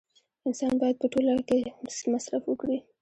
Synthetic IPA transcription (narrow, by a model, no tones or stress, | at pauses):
ɪnsɑnbɑjad̪̚pəʈolakesmasɾafwəkɽi